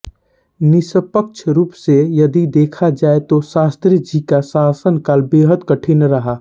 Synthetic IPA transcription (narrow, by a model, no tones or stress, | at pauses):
nɪsəpəkʃʰɾuːpsejəd̪id̪eːkʰad͡ʒaːet̪osaːst̪ɾid͡ʒikasaːsənkaːlbeːɦət̪kəʈʰinɾəɦa